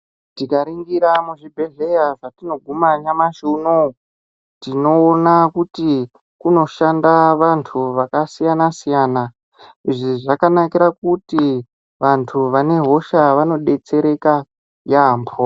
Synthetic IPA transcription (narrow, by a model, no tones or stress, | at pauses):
tikaɾiŋɡiɾamuʐibʱe̞ɮe̞jaʐatino̞ɡʱumaɲamaʃuno | tino̞ːnakuti | kuno̞ʃandaʋantʰuʋakasijanasijaːna | iʐiʐakanakiɾak̚uti | ʋantʰuʋane̞ɦo̞ʃaʋano̞ɗe̞t͡se̞ɾe̞ka | jampʰo